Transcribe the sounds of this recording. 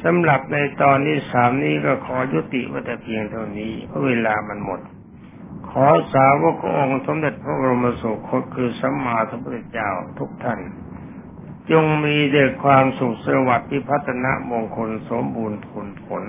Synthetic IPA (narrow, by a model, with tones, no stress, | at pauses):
sa˨˦mɾa˨˩p̚na˧jt̪ɔː˧nːiː˥˩saː˩˦mniː˦˥˩kɔː˥˩kʰɔː˩˦ju˦˥t̪ḭ˨˩ʔma̰˥˩t̪ɛː˨˩pʰi˧əŋt̪ʰa˧˩wniː˦˥˩mɯ˦˥˩weː˧laː˧ma˧nmo˨˩t̪̚ | kʰɔː˨˩˦saː˨˦wo˦˥kʰːɔː˧˦˥ŋʔo˧ŋso˨˦mde˨˩t̪̚pʰɾa˦˧˥ba˧ɾo˧mːa˧su˨˩kʰo˧˥˩t̪̚kʰɯː˧sa˨˦mːaː˧t̪ʰa˧˩˦bu˧˩e˧˩t͡ɕa̰ː˥˩wt̪ʰu˦˥k̚t̪ʰa˥˩n | t͡ɕo˧ŋmiː˧dɯː˨˩k̚kʰwaː˧msu˨˩k̚sa˧a˧wa˨˩t̪̚ʰːiː˥˩pʰa˦˥t̪ʰːa˧na̰˦˥ʔmoː˧ŋkʰo˧nso˨˩˦mbuː˧npʰo˨˦npʰo˨˩˦n